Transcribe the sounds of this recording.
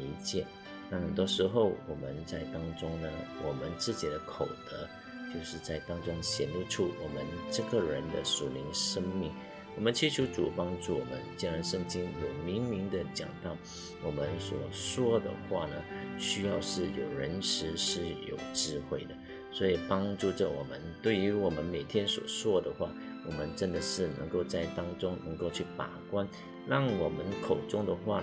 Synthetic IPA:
i˧˥t͡ɕjɛ˥˩ | na˥˩hə˨˩nt̪wɔ˥ʂɻ̩˧˥xo˥˩ʊwɔ˨˩mə˦nt͡sa˥˩ɪt̪ɑ˥ŋʈ͡ʂʊ˥ŋnə˧wɔ˨˩mə˧˦nt͡sɹ̩˥˩t͡ɕi˨˩d̪ə˦kʰo˨˩ʊt̪ə̰˧˥ | t͡ɕjo˥˧ʊʂɻ̩˥˧t͡sa˥˩ɪt̪ɑ˥ŋʈ͡ʂʊ˥ŋɕjɛ˨˥nlu˥˧ʈ͡ʂʰu˥˩wɔ˨˩mə˦nʈ͡ʂɤ˥˩ɡə˨ɻə˧˥nd̪ə̰˧ʂu˨˩li˧˥nʂə˥ŋmi˥˩ŋ | wɔ˨˩mə˦nt͡ɕʰi˧˥t͡ɕʰju˧˥t͡sṵ˨˩pɑ˥ŋʈ͡ʂu˥˩wɔ˨˩mə˧˦nt͡ɕi˥nɻa˧˥nʂə˥˧ŋt͡ɕi˥ŋjo˨˩ʊmi˧˥ŋmi˧˥ŋd̪ə˧t͡ɕjɑ̰˨˩ŋt̪ɑ˥˩ʊ | wɔ˨˩mə˦nswɔ˨˩swɔ˥d̪ə̰˨˩xwa̰˥˩nə˩ɕy˥jɑ˥˧ʊʂɻ̩˥˩jo˨˩ʊɻə˧˥nʂɻ̩˧˥ʂɻ̩˥˩jo̰˨˩ʊʈ͡ʂɻ̩˥˧xwe˥˩ɪd̪ə˩ | swɔ˧˥i˨˩pɑ˥ŋʈ͡ʂu˥˩ʈ͡ʂə˨˩wɔ̰˨˩mə˦nt̪we˥˩ɪy˧˥wɔ˨˩mə˦nme˨˩ɪt̪ʰjɛ˥nswɔ̰˨˩ʂwɔ˥d̪ə˨xwa˥˩ | wɔ˨˩mə˦nʈ͡ʂə˥nd̪ə˨ʂɻ̩˥˩nɤ̰˧˥ŋko˥˧ʊt͡sa˥˩ɪt̪ɑ˥ŋʈ͡ʂʊ˥ŋnə˧˥ŋko˥˧ʊt͡ɕʰy˥˩pa̰˨˩kwa˥n | ɻɑ˥˩ŋwɔ˨˩mə˦nkʰo˨˩ʊʈ͡ʂʊ˥˩ŋd̪ə˨xwa˥˩

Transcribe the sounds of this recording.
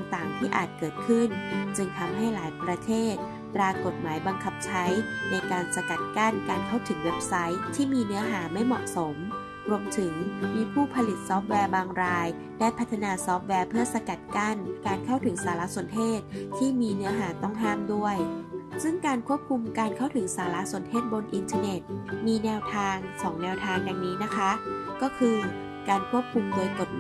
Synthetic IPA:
t̪a˨˩ŋt̪aː˨˩ŋt̪ʰiː˥˩ʔa̰ː˨˩t̪̚kɤː˨˩t̪̚kʰɯ˥˩nt͡ɕɯ˧ŋt̪ʰa˧mɦa˥˩jlaː˩˦jpɾa˧t̪ʰeː˥˩t̪̚ | pɾaː˧ko˨˩t̪̚maː˩˦jba˧ŋkʰa˧˥˩p̚t͡ɕʰa˦˥jna˧jkaː˧nsa˧ka˨˩t̪̚ka˥˩nkaː˧nkʰa˥˩wt̪ʰɯ˩˦ŋwe˦˥p̚sa˦˥jt̪ʰiː˥˩miː˧nɯ˦˥ɐɦaː˩˦ma˥˩jmɔ̰˨˩ʔso˩˦m | ɾu˧əmt̪ʰɯ˩˦ŋmiː˧pʰuː˥˩pʰa˧li˨˩t̪̚sɔː˦˥p̚wɛː˧baː˧ŋɾaː˧j | daː˥˩jpʰa˦˥t̪ʰːa˧naː˧sɔː˦˥p̚wɛː˧pʰɯ˥˩ɐsa˧ka˨˩t̪̚ka˥˩nkaː˧nkʰa˥˩wt̪ʰɯ˩˦ŋsaː˩˦la˦˥su˨˩˦nt̪ʰeː˥˩t̪̚tʰːiː˥˩miː˧nɯ˦˥ɐɦaː˩˦t̪ɔ˥˩ŋɦaː˥˩mdu˥˩əjsɯ˥˩ŋkaː˧nkʰu˥˩əp̚kʰu˧mkaː˧nkʰa˥˩wt̪ʰɯ˩˦ŋsaː˩˦la˦˥ʔsu˨˩ənt̪ʰeː˥˩t̪̚bo˧nʔi˧nt̪ʰa˧ne˨˩t̪̚miː˧nɛː˧wt̪ʰaː˧ŋsɔː˩˦ŋnɛː˧wt̪ʰaː˧ŋda˧ŋniː˦˥na˦˥kʰa˦˥kɔː˥˩kʰɯː˧ | kaː˧nkʰu˥˩əp̚kʰu˧mdoː˧jko˨˩t̪̚

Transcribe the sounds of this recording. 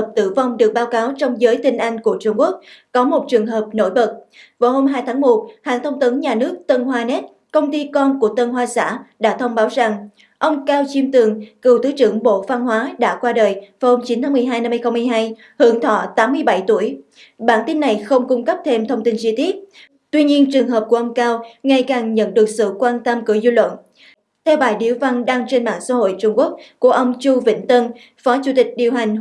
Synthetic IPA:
p̚t̪ɨ̰˧˩va˧wŋ͡mɗɨ˨˩ək̚ɓaː˨˦wkaː˨˦wt͡ɕɔ˧wŋ͡mzəː˨˦jt̪i˧ŋ̟ʔa˧jŋ̟ku˧˩ət͡ɕʊ˧ŋ͡mku˦˥ək̚kɔ˨˦mo˨˩t̚t͡ɕɨ˨˩əŋɦəː˨˩p̚no̰˧˩jɓə˨˩t̚vaː˨˩who˧mɦaː˧jt̪ʰaː˨˦ŋmo˨˩t̚ha̰ː˧˨ŋt̪ʰə˧wŋ͡mt̪ə˨˦ŋɲaː˨˩nɨ˦˥ək̚t̪ə˧nɦwaː˧nɛ˦˥t̚ | kə˧wŋ͡mt̪i˧kɔ˧nku˧˩ət̪ə˧nɦwaː˧˦sa̰ː˧˥ɗa̰ː˧˥t̪ʰə˧wŋ͡mɓaː˨˦wza˨˩ŋ | ʔə˧wŋ͡mkaː˧wt͡ɕi˧mt̪ɨ˨˩əŋkɨ˨˩wt̪ɨ˨˦t͡ɕɨ̰˧˩əŋɓo̰˧˨va˧nɦwaː˨˦ɗa̰ː˧˥kwaː˧ɗəː˨˩jva˨˩ho˧mt͡ɕi˨˦nt̪ʰaː˨˦mɨ˨˩əjɦaː˧jna˧mː˧jxə˧ŋ͡mm˧jɦaː˧j | hɨ˨˧˦əŋt̪ʰɔ̰˧˨t̪aː˨˦mːɨ˧əjɓa˧˩jt̪u˧˩əj | ɓa̰ː˧˩nt̪i˧nːa˨˩jxə˧wŋ͡mkʊ˧ŋ͡mkə˦˥p̚t̪ʰe˧mt̪ʰə˧wŋ͡mt̪i˧nt͡ɕi˧t̪i˦˥ət̚ | t̪wi˧ɲi˧ənt͡ɕɨ˨˩əŋɦə˨˩p̚ku˧˩əʔə˧wŋ͡mkaː˧wŋa˨˩jkaː˨˩ŋɲə̰˧˨nɗɨ˨˩ək̚sɨ̰˧˨kwaː˧nt̪ə˧mkɨ˧˩əzu˧lwə̰˧˨n | t̪ʰɛ˧wɓaː˧˩jɗḭ˧˩əwva˧nɗaː˧ŋt͡ɕe˧nma̰ː˧˨nsa̰ː˧˦ho̰˧˨jt͡ɕʊ˧ŋ͡mku˦˥ək̚ku˧˩əʔə˧wŋ͡mt͡ɕu˧vḭ˧˥ŋ̟t̪ə˧n | fɔ˨˦t͡ɕu˧˥t̪ï˨˩k̟̚ɗi˨˩əwɦa˨˩jŋ̟

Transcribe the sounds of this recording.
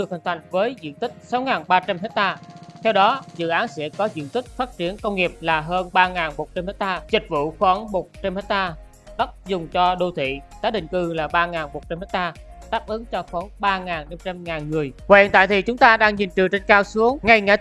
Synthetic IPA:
ɗɨ˨˩ək̚hï˨˩ŋ̟t̪ʰa˧˨jŋ̟vəː˨˦jzḭ˧˨ənt̪ï˦˥k̟̚sa˨˦wŋaː˨˩nɓaː˧t͡ɕa˧mhɛ˦˥k̚t̪aː˧t̪ʰɛ˧wɗɔ˨˦zɨ̰˧˨ʔaː˨˦nsɛ̰˧˥kɔ˨˦zḭ˧˨ənt̪ï˦˥k̟̚faː˦˥t̚t͡ɕi˧˩ənkə˧wŋ͡mŋi˨˩əp̚laː˨˩ɦəː˧nɓaː˧ŋaː˨˩nmo˨˩t̚t͡ɕa˧mhe˦˥k̚t̪aː˧zï˨˩k̟̚vṵ˧˨xwɔː˨˦nmo˨˩t̚t͡ɕe˧mhɛ˦˥t̪aː˧ | ɗə˦˥t̚zʊ˨˩ŋ͡mt͡ɕɔ˧ɗo˧t̪ʰwḭ˧˨t̪aː˨˦ɗḭ̈˧˨ŋ̟kɨ˧˩laː˨˩ɓaː˧ŋaː˨˩nmo˨˩t̚t͡ɕmhɛ˦˥t̪aː˧ | ɗ̪aː˦˥k̚ʔɨ˨˦ŋt͡ɕɔ˧xwɔː˨˦nɓaː˧ŋaː˨˩nna˧mt͡ɕa˧mŋaː˨˩nŋɨ˨˩əjkwnt̪a̰ː˧˨t̪ʰi˨˩t͡ɕʊ˨˦ŋ͡mt̪aː˧ɗaː˧ŋɲi˨˩nt͡ɕɨ˨˩t͡ɕe˧ŋ̟kaː˧wsu˨˦əŋŋa˧jŋaː˧˦

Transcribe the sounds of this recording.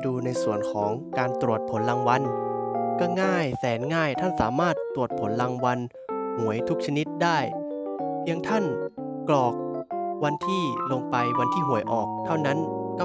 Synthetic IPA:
duː˧na˧jsu˨˩ənkʰɔː˩˦ŋkaː˧nt̪ɾu˨˩ət̪̚pʰo˩˦nla˧ŋwa˧nkɔː˥˩ŋaː˥˩jsɛː˩˦nŋaː˥˩jt̪ʰa˥˩nsa̰ː˩˦maː˥˩t̪ːɾu˨˩ət̪̚pʰo˩˦nla˧ŋwa˧n | hu˨˩˦əjt̪ʰu˦˥k̚t͡ɕʰa˧ni˦˥t̪̚daː˥˩j | pʰi˦˧˥əŋt̪ʰa˥˩n | klɔː˨˩k̚wa˧nt̪ʰiː˥˩lo˧ŋpa˧jwa˧nt̪ʰiː˥˩ɦu˩˦əjʔɔː˨˩k̚t̪ʰːa˥˩wna˦˥n | kɔ˥˩

